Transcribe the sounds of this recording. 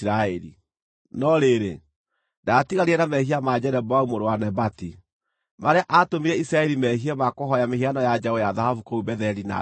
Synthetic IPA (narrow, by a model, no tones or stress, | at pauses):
ɾaɛɾḭ | nɔɾeɾḛ | datiɣaɾiɛnamɛɦiamad͡ʑɛɾɛbɔaumoɾowanɛbati | maɾeaʔatomiɾɛisɾaɛɾimɛɦiɛmakoɦɔjamehianɔjad͡ʒaɣɔjaðahafukoubɛðɛɾina̰